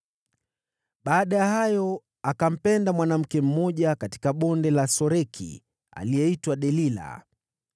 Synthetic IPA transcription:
ɓaːɗajahajɔ | akam̩pɛndamwanam̩kɛm̩mɔʄakati̥kaɓɔndɛlasɔɾɛkʰḭ | a̰lijɛitwaɗɛlila̰

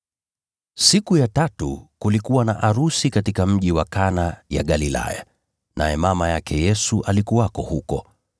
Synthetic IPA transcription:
sikujatatṵkulikuwanaʔaɾusikatikam̩ʄiwakanaja̰ɠalila̰ja̰ | nʔa̰jɛmamajakʰɛjɛsuʔalikuwakɔhukɔ

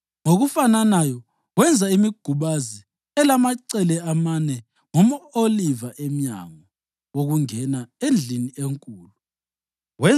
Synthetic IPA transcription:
ŋoɣufananajɔ | wɛnd͡zʱaimiɡ̥ʱuβazi | ɛlamaǀɛlɛamanɛ | ŋɔmaolivaʔema̰ŋɔ | woɣuŋɛnaend͡ɮʱiniʔeŋkʼuːlu | wɛ

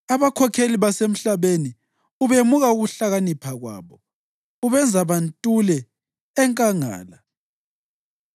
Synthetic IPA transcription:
aβakʰɔkʰeliβasem̩ɬaβeni | uβemuɣauɣuɬaɣanipʰaɣwa̰ːβɔ | uβɛnd͡zʱaβantʼulɛː | ŋkʼaŋa̰ːla

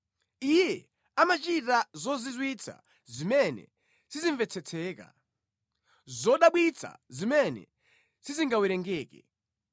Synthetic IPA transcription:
ijɛ | amat͡ʃitazɔzizwit͡sʰa̰ | zimɛnɛ̰ | siziɱvɛt͡sʰɛt͡sʰɛːka̰ | zɔɗaɓwit͡sʰa̰zimɛnɛ̰ | siziŋɡawiɾɛŋɡɛːkɛ̰

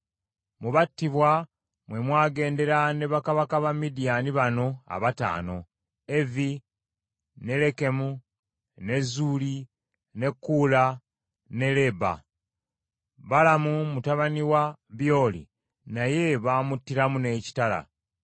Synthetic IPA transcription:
muβatːiβwa | mwe̞mwaːɡe̞ːnde̞ɾane̞βakaβakaβamːidianiβano̞a̰βata̰ːno̞ | e̞vi | ne̞le̞ke̞mu | ne̞zuːli | ne̞kːuːla | ne̞le̞ba̰ | βalamumutaβaniwaβjo̞ːlḭ | naje̞βaːmutːiɾamune̞ːci̥tala̰

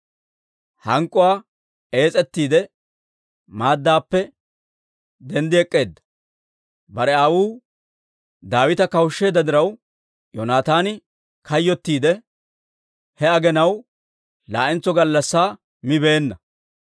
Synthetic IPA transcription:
hɐŋkʼːʊwaː | e̞ːt͡sʼɛt̪ːiːd̪ɛ | maːd̪ːaːpːɛ | d̪ɛnd̪ɪɛkʼːe̞ːd̪ːɐ̥ | bɐɾɛawuː | d̪aːwɪt̪ɐkɐwʃːeːd̪ːɐd̪ɪɾɐw | jɔnaːt̪aːnɪ | kɐjːɔt̪ːiːd̪ɛ | hɛɐɡɛnɐw | laːʔɪnt͡sːɔɡɐlːɐsːaː | mɪbe̞ːnːɐ

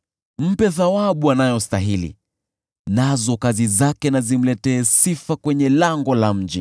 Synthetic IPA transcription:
m̩pɛðawaɓuanajɔstaɦilḭ | nazɔkazizakɛnazim̩lɛtɛːsifakwɛɲɛlaŋɡɔlam̩d͡ʒi

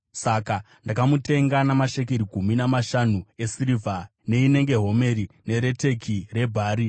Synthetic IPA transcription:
saka | ndakamute̞ŋɡanamaʃek̬eɾikuminamaʃanuesiɾivʱa | ne̞ine̞ŋɡe̞ɦo̞me̞ɾine̞ɾe̞te̞kʰire̞bʱaːɾi

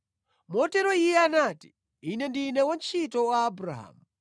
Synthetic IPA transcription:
mɔtɛɾɔijɛanati̥ː | nɛndinɛwant͡ʃʰitɔwaːbɾa̰ɦa̰mu

